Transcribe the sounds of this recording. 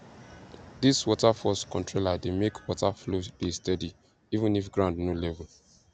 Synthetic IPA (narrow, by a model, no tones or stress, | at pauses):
diswɔtafɔskɔ̃ntɹolademekʰwɔtaflod̥estɛdi | ivə̃nifɡɹãʊ̃ndnolɛvəl